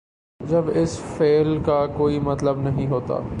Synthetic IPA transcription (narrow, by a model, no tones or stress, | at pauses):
d͡ʒɐbɪsfeːlkakoːimɐt̪ləbnɐɦĩɦoːt̪a̰ː